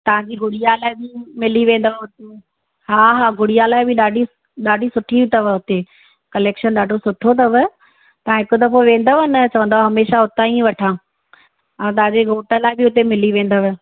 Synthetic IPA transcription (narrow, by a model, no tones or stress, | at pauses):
t̪ɐʋ̤ãɲd͡ʑiːɡʱʊɽijalaːɪbɪmɪliʋẽːn̆d̪əʋʊt̪e | haːɦaːɡʱʊɽijalaːɪbɪɗaːɖʱi | ɗaːɖʱisʊʈʰibɪt̪ɐʋə̆ɦʊt̪e | kɐleːkʃənɗaːɖʱosʊʈʰot̪̬ɐʋə | t̪ɐãɦɪkod̪ɐfʰoʋẽːn̆d̪əʋnɐt͡ɕɐʋə̃nd̪aaɦɐmeːʃaʊt̪aːĩʋɐʈʰãː | t̪ɐɦãd͡ʑeɡoːʈəlaːɪbɪʊt̪emɪliʋẽːn̆d̪əʋɪ̆